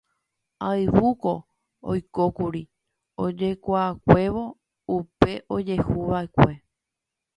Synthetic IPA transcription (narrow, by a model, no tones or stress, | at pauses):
aɨʋuko̞ | o̰jko̞kuɾi | od͡ʒe̞kʷaːkʷe̞ʋo̞ | upe̞ʔod͡ʒe̞huʋaekʷe̞